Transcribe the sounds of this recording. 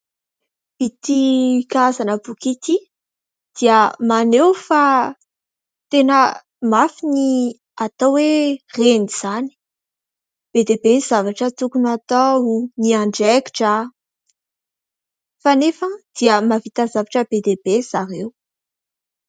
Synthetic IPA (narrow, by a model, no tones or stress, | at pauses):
v̥it̪ikazanəbukit̪i | d̪̥iəmanewfa | t̪enə | mafini | at̪awwereniz̥ani̥ | b̥ed̪ebeniz̥avaʈ͡ʂət̪ukunat̪auniaɳɖ͡ʐɛki̥ʈ͡ʂa | fanefəd̪̥iəmavit̪azavaʈ͡ʂəb̥ed̪ebez̥aɾew